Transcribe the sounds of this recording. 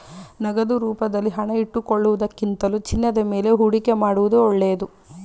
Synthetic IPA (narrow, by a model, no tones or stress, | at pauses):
nɐɡɐd̪uɾuːpɐd̪ɐlːiɦɐɳɐiʈːukoɭːuʋud̪ɐkːint̪ɐlut͡ʃinːɐd̪ɐme̞ːle̞ɦuɽikemaːɽuʋud̪uɔɭːeːd̪u